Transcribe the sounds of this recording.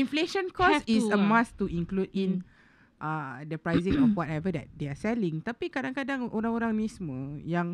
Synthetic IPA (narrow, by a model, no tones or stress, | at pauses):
ĩnfleʃə̃nkɔssisəmãst̪uʔĩŋkludĩn | ʔadəpɾajzĩŋɔfwɔtɛvədɛ̰t̚deasɛlĩŋt̪apikadãŋkadaŋʔoɾãŋoɾaŋnismə̃jaŋ